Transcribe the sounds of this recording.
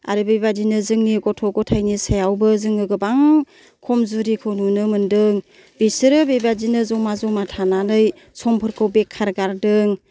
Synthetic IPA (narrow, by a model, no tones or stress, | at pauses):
a̰ɾɯbejbadinɯzɯŋniɡɔtʰɔɡɔtʰajnisajawbɯzɯŋɯɡɯbaŋ | kʰɔmzuɾikʰɯwnunɯmɯndɯŋ | bisɯɾɯbejbadinɯzɔmazɔmatʰanalɯj | sɔmpʰɯɾkʰɯwbekʰːaɾɡaɾdɯŋ